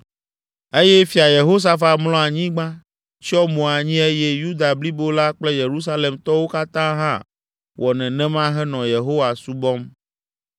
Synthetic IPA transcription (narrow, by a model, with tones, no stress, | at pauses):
e˦jɛ˦fi˨a˨je˨ɦo˦s̬a˦fa˨mlɔ̃˦a˨ɲĩ˦ɡ͡bã˦ | t͡ʃi˦ɔ˦mõ˨a˨ɲĩ˦e˦je˦ju˦d̪a˨bli˦bo˦la˦k͡plɛ˦je˨ɾu˦s̬a˦le˨mt̪ɔ˦wo˦ka˦t̪ã˦ɦã̰˦ | wɔ˨nɛ̃˨nɛ̃˦mã˦ɦɛ˦nɔ̃˨je˨ɦo˦wa˨su˦bɔ̃˦m